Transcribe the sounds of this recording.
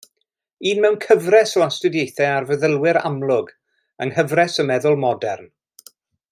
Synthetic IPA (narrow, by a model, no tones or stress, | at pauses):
iːnmɛwnkʰəvrɛslˠastʊdjejθɛarvəðəlˠwɪɾa̰mlˠʊɡ | ə̰ŋhəvrɛsəmɛðʊlˠmɔdɛrn